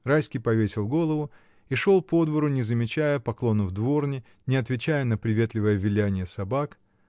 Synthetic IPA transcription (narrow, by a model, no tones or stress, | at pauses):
rajskʲɪjpɐvʲesʲɪlˠɡo̞lˠəvʊ | iʂo̞lˠpo̞d̪vəɾʊnʲɪzəmʲɪt͡ɕæjəpɐklˠo̞nəvd̪vo̞rnʲɪ | nʲɪɐt̪vʲɪt͡ɕæjənəpɾʲɪvʲe̞t̪lʲɪvəjəvʲɪlʲænʲɪjəsɐbak